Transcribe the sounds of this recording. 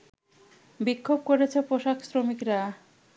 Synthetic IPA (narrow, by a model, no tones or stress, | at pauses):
bikʰːob̚koɾet͡ɕʰepoʃaksɾomikɾa